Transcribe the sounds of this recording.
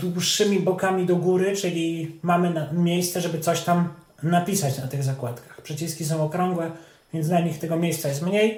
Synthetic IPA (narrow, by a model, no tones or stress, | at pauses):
d̪wuʂːɘmʲibɔkamʲid̪ɔɡuɾɘt͡ʂɘlʲimamɘnamʲjejst̪sɛʐɛbɘt̪sɔɕt̪am | napʲisat͡ɕnat̪ɘɣzakwat̪kḁxpʂɛt͡ɕiskʲisɔ̃w̃ɔkɾɔ̃ŋɡwɛ | vʲjɛnt̪naɲixt̪ɛɡɔmʲjejssajɛst̪mɲej